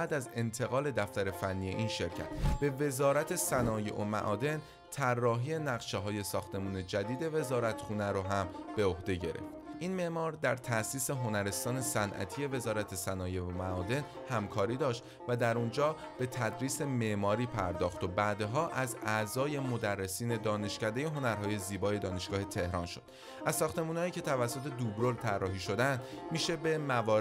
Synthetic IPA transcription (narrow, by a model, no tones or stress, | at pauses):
bæːd̪æze̞nt̪ʰe̞ɣɒːle̞d̪æft̪æɾe̞fænːije̞ʔinʃe̞ɾcʰæ̰t̪ʰb̥e̞ve̞zɒːɾæt̪ʰe̞sænɒːjḛʔomæ̰ʔɒːd̪e̞n | t̪ʰærːɒːɦiːje̞næɣʃeɦɒːje̞sɒːxt̪e̞muːne̞d͡ʒæd̪iːd̪e̞ve̞zɒːɾæt̪ʰxuːnæɾoɦæmb̥eo̞hd̪e̞ɟe̞̰ɾe̞̰ftʔinme̞ʔmɒːɾd̪æɾt̪ʰæʔsiːseɦo̞næɾe̞st̪ɒːne̞sænʔæ̰t̪ʰije̞ve̞zɒːɾæt̪ʰe̞sænɒːjeomæɒːd̪e̞n | hæmkʰɒːɾiːd̪ɒːʃt̪ | væd̪æɾund͡ʒɒː | b̥e̞t̪ʰæd̪ɾiːse̞me̞ʔmɒːɾiːpʰæɾd̪ɒːxt̪obæːd̪eɦɒːʔæzæʔzɒːje̞mo̞d̪ærːe̞siːne̞d̪ɒːne̞ʃcæd̪e̞je̞ɦo̞næɾɦɒːje̞ziːbɒːje̞d̪ɒːne̞ʃɡ̥ɒːhe̞t̪ʰe̞hɾɒːnʃo̞d̪̥ | ʔæzsːɒːxt̪e̞munɒːiːcʰe̞t̪ʰævæsːot̪ʰe̞d̪ubɾolt̪ʰærːɒːɦiːʃo̞d̪ænd̪ | miːʃe̞be̞mævɒː